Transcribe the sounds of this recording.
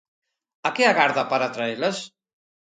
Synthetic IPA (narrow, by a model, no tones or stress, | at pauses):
akeaɣaɾðapaɾat̪ɾaeles